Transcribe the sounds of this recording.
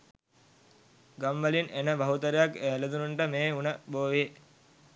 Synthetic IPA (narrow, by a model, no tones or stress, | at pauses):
ɡamʋəlinenəbaɦut̪əɾejakeːled̪unuɳʈəmeːunəboːʋe